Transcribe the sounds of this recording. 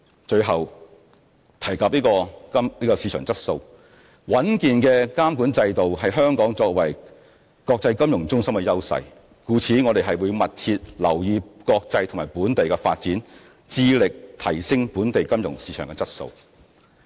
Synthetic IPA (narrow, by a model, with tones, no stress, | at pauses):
t͡ʃɵ˧ɥɦɐ˨w | t̪ʰɐ˨˩jkɐː˨p̚liː˥kɔː˧kɐ˥mliː˥kɔː˧siː˨˧t͡ʃʰœː˨˩ŋt͡sɐ˥t̚so˧w | wɐ˨˥nkiː˨nkɛː˧kaː˥mkuː˨˥nt͡sɐ˧jt̪o˨wɦɐ˨jɦœː˥ŋkɔː˨˥ŋt͡sɔː˧k̚wɐ˨˩j | kɔː˧k̚t͡sɐ˧jkɐ˥mjʊ˨˩ŋt͡sʊ˥ŋsɐ˥mkɛ˧jɐ˥wsɐ̰˧j | kuː˨˧t͡sʰiː˨˥ŋɔ˨˧ɾe˨jɦɐ˨jwuː˨˧jmɐ˨t̚t͡sʰi˧t̚lɐ̰˨˩wjiː˨˧kɔː˧k̚t͡sɐ˧jt̪ʰŋmaː˨˩jpuː˨˥nt̪e˨jkɛ˧fa̰ː˧t̚t͡siː˨˥n | t͡siː˧lɪ˨k̚t̪ʰɐ˨˩jsɪ˥ŋpuː˨˥nt̪e˨jkɐ˥mjʊ˨˩ŋsiː˨˧˥t͡ʃʰœː˨˩ŋkɛ˧t͡sɐ˥t̚so̰˧w